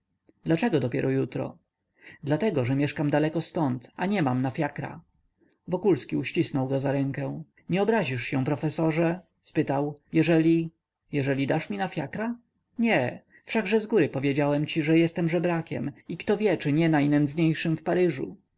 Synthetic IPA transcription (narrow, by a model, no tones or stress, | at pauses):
d̪lat͡ʂɛɡɔd̪ɔpʲjɛ̰ɾʔɔjut̪ɾɔ̰ | d̪lat̪ɛɡɔʐɛmʲjɛʂkamd̪alɛkɔst̪ɔnt̪aɲɛmamnafʲjakɾa̰ | vɔkulskʲiuɕt͡ɕisnɔwɡɔzaɾɛŋkɛ̃ | ɲɛɔbɾaʑiʂɕɛ̃pɾɔfɛsɔʐɛ | spɘt̪awjɛʐɛlʲi | jɛʐɛlʲid̪aʂmʲinafʲjakɾa | ɲɛ | fʂaɡʐɛzɡuɾɘpɔvʲjed͡ʑawɛmt͡ɕiʐɛjɛst̪ɛmʐɛbɾakʲɛ̰mikt̪ɔvʲjɛt͡ʂɘɲɛnajnɛnd̪zɲejʂɘmfpaɾɘʐṵ